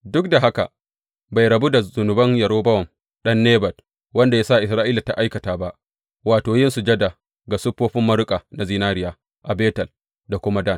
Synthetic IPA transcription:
dʊ˦k̚da˨ɦa˦ka̰˨ | ba˨jɾɐ˨bu˦da˨zʊ˨nʊ˨bɐ˦njɐ˨ɾoː˦bɐ˦wɐ˨m | ɗɐ˦nːeː˦bɐ˨t̚ | wɐ˦nda˨jaː˦sa˦˨ʔɪ˨s̬ɾaː˦ʔiː˦la˨ta̰˨ʔa˦jkɐ˨taː˨ba˦ʔ | waː˨toː˨jɪ˦nsu˨d͡ʒɐ˦da˨ | ɡa˨sʊ˦pːoː˦ɸɪ˦mːɐ˦ɾʊ˦kʼa˨na˨zi˦naː˦ɾɪ˦jaː˨ | ʔa˨beː˦tɐ˨l | da˨kʷʊ˦ma˦da˦˨n

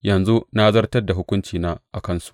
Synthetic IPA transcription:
jɐ˨nzu˦na˦zɐ˦rtɐ˦rda˨ɦʊ˦kʷʊ˦nt͡ʃiː˨naː˦ʔa˨kɐ˦nsu̥˨ʔʔ

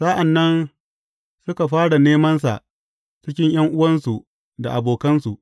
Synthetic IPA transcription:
saː˦ʔa˨nːɐ˦n | sʊ˦ka˨ɸaː˦ɽa˨neː˦mɐ˦nsa̰˨ʔ | t͡ʃɪ˦kʲɪ˦ɲj̰ɐ˦ŋʔʊ˦wɐ˦nsu˨ | da˨ʔa˨boː˨kɐ˦nsu˨ʔ

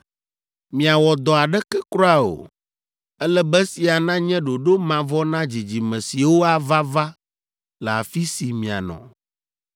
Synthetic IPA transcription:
mĩ˨a˨wɔ˨d̪ɔ˨a˨ɖɛ˦kɛ˦kɾɔ˦a˦o̰˨ | ɛ˦lɛ˦bɛ˦si˨a˨nã˦ɲɛ̃˦ɖo˨ɖo˦mã˨vɔ˦nã˦d͡ʑi˨d͡ʑi˨mɛ̃˨si˨wo˦a˨va˦va˦ | lɛ˨a̰˨fi˦si˨mĩ˨a̰˨nɔ̰̃˨

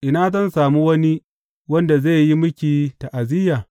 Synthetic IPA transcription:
ʔɪ˨naː˦zɐ˦nsaː˨mu˦wɐ˦ni˦ | wɐ˦nda˨za˦˨ji˦mʊ˦kʲiː˨ta˨ʔa˨zɪ˦jaː˨

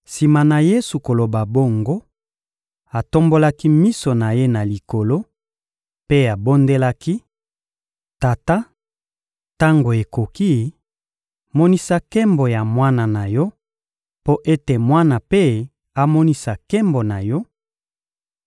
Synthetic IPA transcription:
si˨ma˨na˨je˦su˨ko˨lo˨ba˨bo˦ŋɡo˦ | a˨to˦mbo˦la˦ki˦mi˦so˨na˨je˦na˨li˨ko˨lo˦ | pe˦a˨bo˦nde˦la˦ki˦ | ta˨ta˦ | ta˦ŋɡo˨e˨ko˨ki˦ | mɔ˦ni˦sa˦kɛ˦mbo˨ja˨mwa˦na˨na˨jɔ˦ | po˦ʔe˦te˨mwa˦na˨pe˦ | a˦mɔ˦ni˦sa˨kɛ˦mbo˨na˨jɔ˦

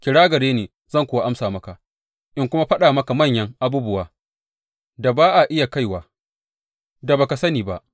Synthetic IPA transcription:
kʲɪ˨ɽaː˦ɡɐ˨ɽeː˦neː˨ | zɐ˦˨ŋkʷoː˨wa˦ʔa˦msaː˨mɐ˦ka˨ | ʔɪ˦ŋkʷʊ˦ma˦ɸɐ˦ɗaː˨mɐ˦ka˨mɐ˦˨ɲjɐ˦ŋʔa˦buː˦bʊ˦waː˨ | da˨baː˦ʔa˨ʔɪ˦ja˨ka˦jwaː˨ | da˨baː˨ka˨sɐ˦niː˨ba˦ʔ

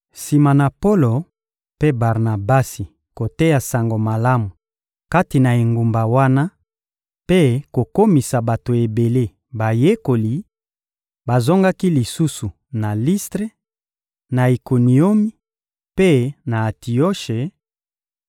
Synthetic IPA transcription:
si˨ma˨na˨po˦lo˨ | pe˦ba˨ʁna˨ba˦si˨ | ko˨te˦ja˨sa˨ŋɡo˨ma˨la˦mu˨ | ka˦ti˨na˨e˨ŋɡu˨mba˨wa˦na˦ | pe˦ko˨ko˦mi˨sa˨ba˨to˨e˨be˨le˦ | ba˨je˦ko˨li˨ | ba˨zo˦ŋɡa˦ki˦li˨su˦su˨ | na˨li˦stʁe˦ | na˨i˨ko˨ni˨o˦mi˦ | pe˦na˨a˨ti˨o˦ʃe˨

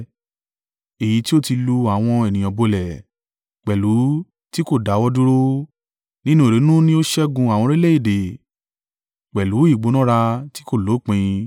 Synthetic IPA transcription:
e˨ji˨˦ti˦o˦ti˧lu˧a˨w̃ɔ̃˧ɛ˨nĩ˨ɔ̃˨bo˧lɛ˨ | k͡pɛ˨lu˨˦ | ti˦ko˦˨da˨˦wɔ˧du˦ɾo˦ | nĩ˦nũ˦e˨ɾe˨˦nũ˦nĩ˦o˦ʃɛ˦ɡũ˧a˨w̃ɔ̃˧ɾe˦le˦i˦˨de˨ | k͡pɛ˨lu˨˦i˦˨ɡ͡bo˨˦nɔ̃˦ɾa˧ti˦ko˦˨lo˨˦˨k͡pĩ˧ĩ˧

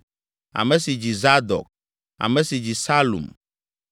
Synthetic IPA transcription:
a̰˨mɛ˨˦si˨d͡ʑi˨za˦d̪ɔ̰˨k̚ | a̰˨mɛ̃˦si˨d͡ʑi˨sa˦lṵ˨m

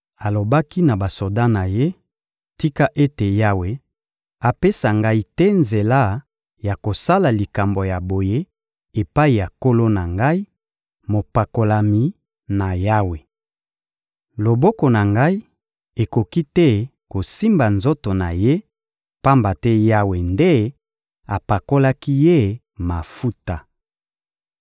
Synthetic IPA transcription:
a˨lo˨ba˦ki˦na˨ba˨so˨da˦na˨je˦ | ti˦ka˦ʔe˦te˨ja˦we˨ | a˨pe˦sa˨ŋɡa˦i˦tɛ˦nze˨la˦ | ja˨ko˨sa˦la˨li˨ka˨mbo˨ja˨bo˨je˦ | e˨pa˦i˨ja˨ko˦lo˦na˨ŋɡa˦i˦ | mo˨pa˨ko˨la˨mi˨ | na˨ja˦we˨ | lo˨bɔ˦ko˨na˨ŋɡa˦i˦ | e˨ko˨ki˦tɛ˦ko˨si˦mba˨nzo˦to˨na˨je˦ | pa˦mba˨tɛ˦ja˦we˨nde˦ | a˨pa˨ko˦la˦ki˦je˦ | ma˨fu˦ta˨

